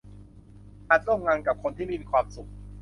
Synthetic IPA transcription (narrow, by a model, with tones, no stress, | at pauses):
ʔaː˧˩t̪̚ɾu˥˩˨ŋŋa˧ŋka˨˩p̚kʰo˧nt̪ʰiː˥˩miː˧i˧˩kʰwaː˧msu˨˩k̚